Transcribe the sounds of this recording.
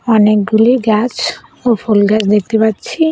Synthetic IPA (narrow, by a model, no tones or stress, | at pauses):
ɔnek̚ɡuliɡat͡ɕofʰolɡat͡ɕʰd̪ek̚t̪epatːt͡ɕʰi